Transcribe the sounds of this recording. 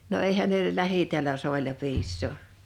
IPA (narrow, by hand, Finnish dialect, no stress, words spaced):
no eˑihæn neˑ læhitiælæ soˑilɑ piːsːoˑ